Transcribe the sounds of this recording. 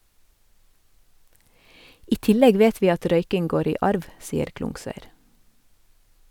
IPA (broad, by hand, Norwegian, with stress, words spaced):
ˈiː ˈtɪlɛɡ ˈʋeːt ˈʋiː ˈɑt ˈɾœʏkɪŋ ˈɡoːɾ ˈiː ˈʔɑɾʋ ˈsiːəɾ ˈklʊŋsœʏɾ